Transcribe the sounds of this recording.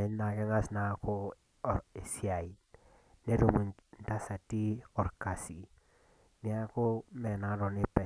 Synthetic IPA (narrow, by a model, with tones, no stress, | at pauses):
ɛ˨˦ɲ˦na˨kɛ˦ŋa˦sna˨˦ko˦˨ | e˨sja˨i˨ | ne˦ɾo˨mu˨n˦ta˦sa˨ti˦ɔ˨ɾka˨si˨ | mi˨a˦ko˦mɛ˨na˨˦ɾɔ˨nɪ˦pɛ˨